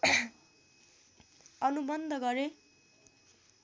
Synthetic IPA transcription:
ʌnubʌnd̪ʱʌɡʌɾe

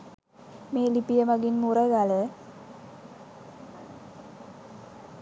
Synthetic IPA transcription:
meːlipijɐmaɡinmurɐɡalə

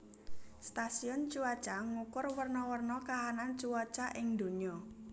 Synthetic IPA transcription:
st̪asiɔnt͡ʃuwat͡ʃaŋukʊrwərnɔwərnɔkaɦanant͡ʃuwat͡ʃaʔɪŋd̪o̤ɲɔ

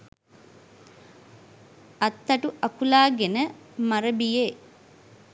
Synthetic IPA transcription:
ɐt̪ːɐʈuʔɐkulaːɡenə | maɾəbijeː

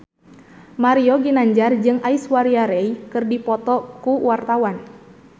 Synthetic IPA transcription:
maɾiɔɡinaɲd͡ʒard͡ʒɨŋaiswaɾiaɾɛikɨrdipɔt̪ɔkuwart̪awan

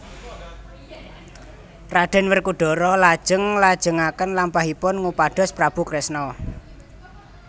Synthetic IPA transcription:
raɖ̥ɛ̤nwərkuɖ̥ɔ̤ɾɔlad̥ʒ̥əŋlad̥ʒ̥ə̤ŋakənlampaɦipʊnŋupaɖ̥ɔ̤spɾab̥ṳkɾɛsnɔ

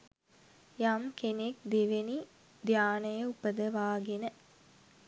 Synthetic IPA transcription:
jamkenek̚d̪eʋeni | d̪ʱjaːnəjəupəd̪əʋaːɡenə

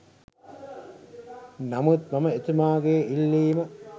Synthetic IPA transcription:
namut̪maməet̪umaːɡeːilːiːmɐ

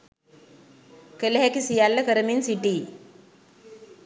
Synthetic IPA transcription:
kəleɦɛkisijalːəkəɾəminsiʈi

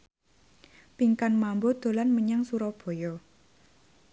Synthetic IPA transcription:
piŋkanmambod̪̥o̤lanməɲaŋsuɾɔb̥o̤jɔ

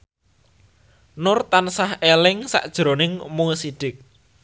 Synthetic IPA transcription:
nʊrt̪ansahelɪŋsa̰ʔd̥ʒ̥ɾonɪŋmusiɖ̥ɪk̚

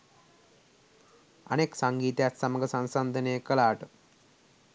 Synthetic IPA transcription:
ɐ̰neːksɐŋɡiːt̪jaːt̪sɐmɐɡɐsɐnsɐnd̪ʱɐneːkɐlaːʈu

